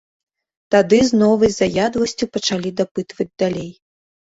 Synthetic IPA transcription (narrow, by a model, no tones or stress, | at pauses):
t̪ad̪ɨznɔvɨjʲzajad̪vɐsʲt͡sʲupɐt͡ʂalʲid̪apɨt̪vɐd͡zʲd̪alʲej